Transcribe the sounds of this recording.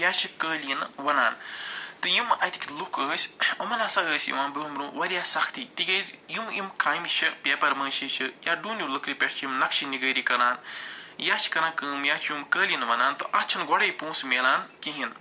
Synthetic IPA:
jaːt͡ʃʰikəːlinʋɐnaːnt̪ɨjimɐt̪ʰi̥kʲilukəːsʲɐmɐnɐsɐɡəːsʲḭmaːnbɨmɾũːʋɐɾʲjaːsɐkʰt̪it̪iɡɐːzjimimkaːmit͡ʃʰɐpʲeːpɐɾmɐ̃ːʃit͡ʃʰijaːɖuːnjulɨkɾipʲɐʈt͡ʃʰjimnɐkʃiniɡəːɾikɐɾaːnjaːt͡ʃʰi̥kɐɾãːkɨːmjaːt͡ʃʰjumkəːlʲinʋɐnaːnt̪ɨʔɐt͡ʃʰinɡɔɽɐjpũːsmeːlaːnkiɦin

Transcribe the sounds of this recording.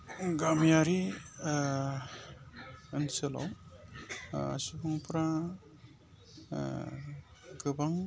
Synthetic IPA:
ɡamjaɾi | ɯnsela̰w | a̰subɯŋpʰɾa | ɡɯbaŋ

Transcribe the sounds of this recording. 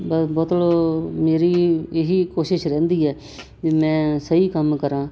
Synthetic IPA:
bəbɔːt̪lomeːɾiːeɦiːkoːʃɪʃɾɛ̃ːnd̪iːɛː | d͡ʒiːmɛ̃ːsəiːkəmkəɾãː

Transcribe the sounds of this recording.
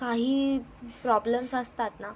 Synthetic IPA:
kaɦiːpɾɔbləmsəst̪at̪na

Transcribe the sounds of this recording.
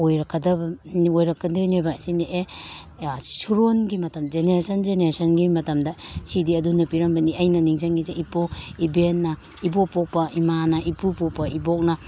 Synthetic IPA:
ojɾɐkʰːɐdɐbnojɾɐkːɐdɐnojbasineʔe | suɾonɡimɐtɐmzeneɾasɐnd͡ʒeneɾasɐnɡimɐtɐmdɐsidiɐdunɐpiɾɐmbɐniajnɐniŋzaŋɡizeipoibenːɐ | ibok̚pok̚pɐʔimanɐʔipupopɐibok̚nɐ

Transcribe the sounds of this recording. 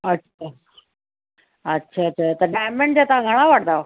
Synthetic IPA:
ətːɕʰa | ətːɕʰaətʰat̪əɾɖajmeɳɖd͡ʑat̪aɡʱəɽ̃aʋaʈ̚t̪a

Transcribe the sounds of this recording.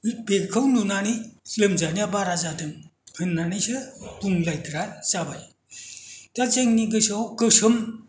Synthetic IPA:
bekʰɯwnunanilɯmzanijabaɾazadɯŋhɯnːanisɯpuŋlajtɾasaba̰j | tat͡seŋniɡɯsawkɯsɯm

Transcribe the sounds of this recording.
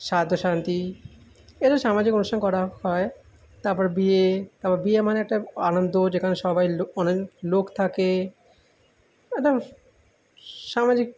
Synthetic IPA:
ʃad̪ʱːoʃant̪i | eɾaʃamad͡ʑikonuʃʈʰankɔɾahɔe | t̪aɾpɔɾebiet̪aɾpɔɾebiemaneɛk̚ʈaanond̪od͡ʑekʰaneʃɔbajɔnelokt̪ʰake | ɛkʈa | ʃamad͡ʑik̚

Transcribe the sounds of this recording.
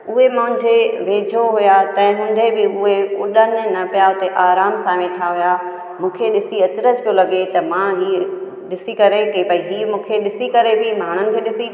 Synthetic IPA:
ʊɦemãʊ̃nd͡ʑeʋeːd͡ʑʱoɦʊjat̪ɐ̃ɦɪ̃ɦũːn̆d̪ʱebɪʊɦekʊɗənɪnɐpijaɦʊt̪eʔaːɾaːmsãːmẽʈʰaɦʊja | mũːkʰeɗɪsiɐt͡ɕɪɾəd͡ʑpijolɐɡet̪ɐmãɦiː | ɗɪsikɐɾekepɐid̪iːmũːkʰeɗɪsikɐɾebɪmaːɽ̤̃ʊnɪ̆kʰeːɗɪsi

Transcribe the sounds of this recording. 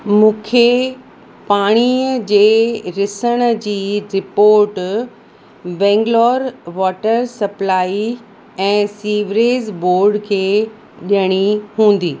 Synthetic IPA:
mũːkʰe | paːɽ̃iəd͡ʑeːɾɪsəɽ̃ə̆d͡ʑiːɾɪpoːɾʈ | bɛ̃ːŋɡlɔːɾʋɔːʈəɾsɐplaːi | ɛ̃ːsiːʋɾeːzboːɾɖkʰeː | ɗiəɽ̃iɦũːn̆d̪iː

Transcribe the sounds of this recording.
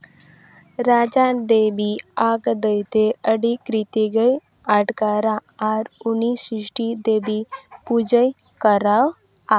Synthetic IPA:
ɾaːd͡ʒad̪eːbiaːɡd̪əjt̪eəɽikɾit̪iɡəj | aʈkaɾaaːɾunisɪʂʈid̪eːbipud͡ʒəj | kəɾaw | a

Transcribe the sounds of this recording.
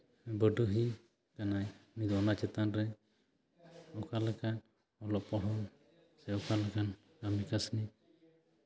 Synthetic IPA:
bəɖuɦi | kanajmid̪ɔnat͡ʃɛt̪anɾɛ | ɔkalakan | ɔlɔpɔɽɔn | sɛɔkalakan | ɡamikasni

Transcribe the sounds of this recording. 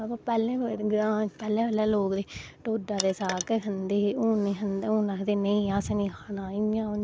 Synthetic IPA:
akapɛːlẽːɡɾãːpɛːlẽːʋəlɛːloːkd̪eːʈoːɖaːd̪eːsaːkeɦənd̪eːoːnẽːɦənd̪eːõːnaːkd̪eːnəĩːaːsnĩːkʰaːnaːɪãː

